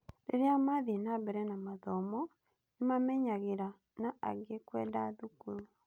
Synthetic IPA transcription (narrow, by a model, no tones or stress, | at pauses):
ɾeɾiamaːðienabɛɾɛnamaðɔmɔ | nemamɛɲaɣiɾa | naa̰ɣekwɛ̰ːdaðukuɾu